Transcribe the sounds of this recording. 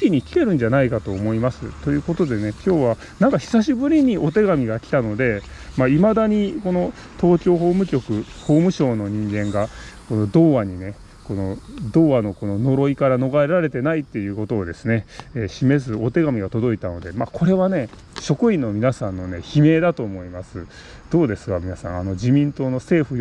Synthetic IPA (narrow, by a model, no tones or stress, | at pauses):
kʲiɲ̟ikʲi̥k̪e̞ɾɯ̟̃ɲ̟d͡ʑanaikat̪o̞ːmo̞imasɨ̰t̪o̞jɯ̟ːko̞t̪o̞d̪e̞ne̞kʲo̞ːβa | nãŋkaçi̥saɕibɯ̟ɾʲiɲ̟iʔo̞t̪e̞ɡamʲiɡakʲi̥t̪ano̞d̪e̞ | maimad̪aɲ̟iko̞no̞ | t̪o̞ːkʲo̞ːɦo̞ːmɯ̟kʲo̞kɯ̟ho̞ːmɯ̟ɕo̞ːno̞ɲ̟ĩŋɡẽ̞ŋɡako̞no̞d̪o̞ːβaɲ̟ine̞ | ko̞no̞d̪o̞ːβano̞ko̞no̞no̞ɾo̞ikaɾano̞ɡaeɾaɾe̞t̪e̞nait̪ːe̞jɯ̟ːko̞t̪o̞ːd̪e̞sɨne̞eːɕime̞zɨo̞t̪e̞ɡamʲiɡat̪o̞d̪o̞it̪ano̞d̪e̞mako̞ɾe̞βane̞ | ɕo̞kɯ̟ĩnːo̞mʲinasãnːo̞ne̞çime̞ːd̪at̪o̞ːmo̞imasɨ | d̪̥o̞ːd̪e̞sɨ̥ɡamʲinasã̰ano̞d͡ʑimʲĩnt̪o̞ːno̞se̞ːɸɯ̟